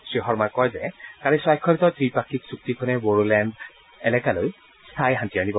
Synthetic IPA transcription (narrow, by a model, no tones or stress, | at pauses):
sɹixɔɹmajkɔjzɛkaɹisajkʰːɔɾitɔtɹipakʰiksuk̚tikʰɔnɛboɹulɛnd | ɛlɛkaloj | stʰajɦantianibɔ